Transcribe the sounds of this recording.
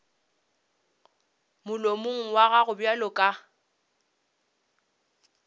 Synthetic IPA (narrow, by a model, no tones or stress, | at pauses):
mʊlomʊŋ̩waɣaɣʊbjalɔkʼa